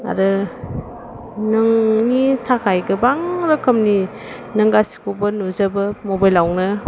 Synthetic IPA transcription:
a̰ɾɯ | nɯŋnitʰakʰajɡɯbaŋɾɯkʰɯmni | nɯŋɡasi̥kubɯnuzabɯmobajlawnɯ

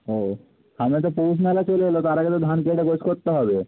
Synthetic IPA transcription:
o | hamet̪̬opos̬nalat͡ɕoleɦelot̪aɾaɡet̪od̪ʱankeɖeɡot͡ɕʰkoɾt̪ːeɦɔbe

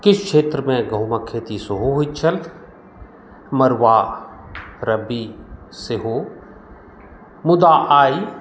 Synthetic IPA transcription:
kɪt͡ʃʰkʃeːt̪ɾmẽɡəɦmaːkʰːeːt̪isʊɦoɦʊit͡ʃʰəlt̪ | məɾwaː | ɾəbiː | seɦoː | mʊd̪aːʔaːi

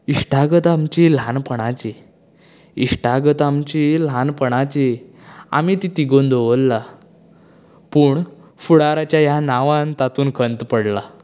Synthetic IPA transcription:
iʂʈaɡət̪amt͡ɕil̤anpəɽ̃at͡ɕi | iʂʈaɡət̪amt͡ɕilanpəɽ̃at͡ɕi | a̰mit̪it̪iɡond̪oʋəlːa | puːɳfuɽaɾat͡ɕjajanaʋãnt̪at̪uːnkʰənt̪pəɽla

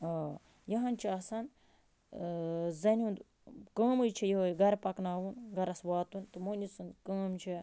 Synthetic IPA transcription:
jɐɦɐnt͡ʃʰaːsɐn | zɐnʲund̪ | kə̃ːmɨjt͡ʃʰijiɦojɡɐɾpɐknaːwunɡɐɾɐsʋaːt̪unt̪ɨmonʲit͡sɨnkəːmt͡ʃʰi

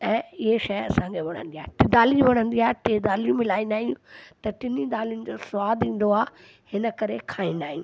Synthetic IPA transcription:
ɛ̃ːɪɦeʃɐɐsãŋkʰeʋɐɽ̤̃ə̰̃nd̪iaːɦɪʈɪd̪aːliũʋɐɽ̃ə̃nd̪iaːɦɪʈeːd̪aːlijũmɪlaːĩnd̪aːɦijũt̪ɐʈɪnid̪aːlijʊnɪ̆d͡ʑoːsʋaːd̪ĩːn̆d̪oaː | hɪnəkɐɾekʰaːĩːnd̪aːɦĩũ

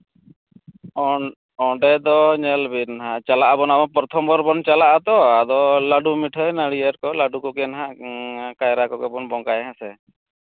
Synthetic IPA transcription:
ɔɳɖɛd̪ɔɲɛlbinɦaʔt͡ʃalaʔabɔnabɔnpɔɾt̪ʰɔmbɔɾbɔnt͡ʃalaʔad̪ɔad̪ɔlaɖumiʈʰəjnəɽiəɾkɔlaɖukɔɡɛnɦaʔkajɾakɔkɛbɔnbɔŋkajɦãsɛ

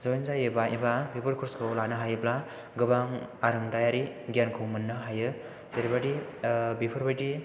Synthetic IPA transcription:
zɔjnzajɯbaʔibabibʰɯɾkʰuɾskʰɯwlanɯɦajɯbla | ɡɯbaŋaɾɯŋdajaɾiɡankʰɯwmɯnːɯɦajɯ | seɾibadibipʰɯɾbajdi

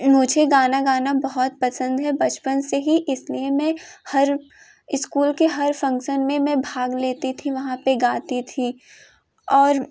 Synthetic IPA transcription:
mʊd͡ʒʱeɡaːnaɡaːnabɐɦɔt̪̚pɐsə̃nd̪ɦɛbɐt͡ʃpənseɦiʔɪsliemɛ̃hɐɾ | ɪskuːlkeɦɐɾfɐ̃ŋkʃənmẽmɛ̃bʱaːɡleːt̪it̪ʰiʋɐɦãpeɡaːt̪it̪ʰi | ɔːɾ

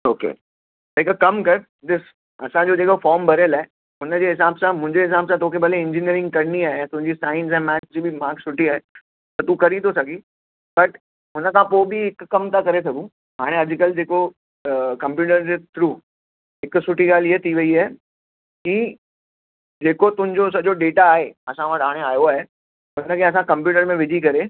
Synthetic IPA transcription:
oːkḛː | t̪ɐɦɪkkɐmkɐɾ | d̪ɪs | ɐsãd͡ʑod͡ʑeːkofɔːɾmbʱɐɾəlaːe | ɦʊnəd͡ʑeːɦɪsaːbsãmʊ̃ɦɪ̃ɲd͡ʑeɦɪs̬aːbsãt̪ʰoːkʰebɐleɪ̃ɲd͡ʑinijəɾɪ̃ŋɡ̚kɐɾɪniaːɦeɛ̃t̪ʊ̃ɦɪ̃ɲd͡ʑisaːɪ̃nz̬ɛ̃ːmɛːt͡ɕd͡ʑiːbɪmaːksʊʈiaːɦe | t̪ɐt̪ũkɐɾid̪osɐɡʱiː | b̥ɐʈ | ɦʊnəkʰãpoːbɪɦɪkkːɐmt̪akɐɾesɐɡũ | ɦaːɽ̃ẽɐd͡ʑkɐld͡ʑeːko | kɐ̃mpjuːʈəɾd͡ʑet̪ʰɾuː | ɦɪksʊʈʰiɠaːliet̪ʰiʋɐiɛː | ki | d͡ʑeːkot̪ʊ̃ɦɪ̃ɲd͡ʑos̬ɐd͡ʑoɖeːʈaːɦeɐsãʋɐʈ̪ʰɦaːɽ̃eaːjoaːɦe | ɦʊnəkʰeɐs̬ãkɐ̃mpjuːʈəɾmẽʋɪd͡ʑʱikɐɾe

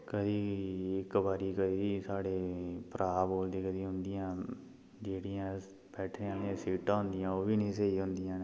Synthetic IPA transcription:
kəd̪iːɪkbaːɾiːkəd̪iːiːsaːɽeːpəɾaːboːld̪eːkəd̪iːɦʊnd̪ɪjãː | d͡ʒeːɽijãː | bɛːʈʰneːãːnesiːʈãːɦʊ̃nd̪ɪjãːoːbiːnĩːseiːɦʊ̃nd̪ɪjãːn

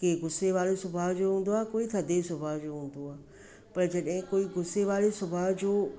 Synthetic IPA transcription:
keɡʊseʋaːlesʊbʱaɦd͡ʒoːɦũːn̆d̪oaːkoːit̪ʰɐd̪esʊbʱaɦd͡ʑoːɦũːn̆d̪oaː | pɐɾd͡ʒɐɗɦɪ̃koːiɡʊseʋaːlesʊbʱaɦd͡ʑoː

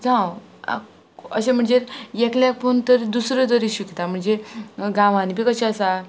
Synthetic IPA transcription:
d͡zãw | a̰ | əɕẽm̤əɳd͡zejekljak̚punt̪əɾd̪usɾəd͡z̪əɾiɕikt̪am̤əɳd͡zeɡãʋanipikəɕaəsa

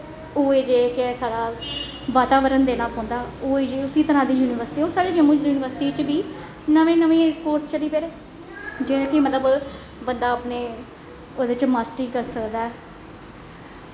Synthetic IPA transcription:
uːeːd͡ʒeːkesaːɽaː | ʋaːt̪aːʋəɾənd̪eːlaːlɦõːnd̪aːuːeːd͡ʒeːʊsiːt̪əɾãːd̪iːjuːnɪːʋəɾsʈiːoːsaːɽeːd͡ʒəmũːt͡ʃuːnɪʋəɾsɪʈiːt͡ʃbiː | nəʋẽːnəʋẽːkoːɾst͡ʃəliːpeːɾeː | d͡ʒɪnãːkɪmət̪ləb | bənd̪aːəpneː | odeɪt͡ʃmaːsʈiːkəɾsəkd̪aːɛː

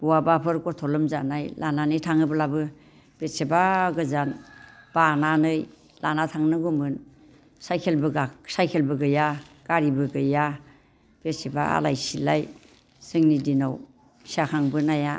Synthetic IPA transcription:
buwabapʰɯɾkɔtʰɔlɯmzanajlʔananɯjtʰaŋɯbɯlabɯ | b̥et̚sebaɡɯzanb̥ananɯj | lanatʰaŋnɯɡɔmɯn | sajkʰelbɯɡasajkʰelbɯɡɯjaɡ̥aɾibɯɡɯja | b̥et̚seba̰a̰lajsilaj | sɯŋnidinaw | siakʰaŋbɯnaja

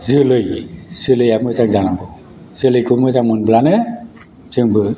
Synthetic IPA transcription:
zɯlɯjz̥ɯlɯjamɯzaŋzanabɯ | z̥ɯlɯjkʰɯmɯzaŋmɯnblanɯ | zɯŋbɯ

